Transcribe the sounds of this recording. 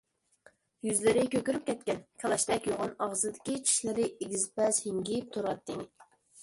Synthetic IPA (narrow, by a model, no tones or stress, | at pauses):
jyzlɪɾɪkʲøkʲyɾyp̚kʲʰɛt̪̚kʲɛnkʲʰɛlˠɑʃt̪ɛkʲjoʁɑnɑʁzɨd̪ɪ̥kʲit͡ʃʰi̥ʃlɪɾɪeɡʲizɪpɛshɪŋɡʲip̚t̪ʰuɾɑt̪ːɪŋ